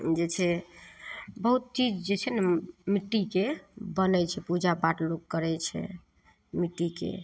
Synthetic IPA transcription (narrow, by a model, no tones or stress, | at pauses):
d͡ʒet͡ʃʰɛ | bəɦut̪̚t͡ʃid͡ʒd͡ʒet͡ʃʰɛnɛmiʈːikebənɛt͡ʃʰɛpud͡ʒapaʈloɡkəɾɛt͡ʃʰɛ̰ | miʈːikḛ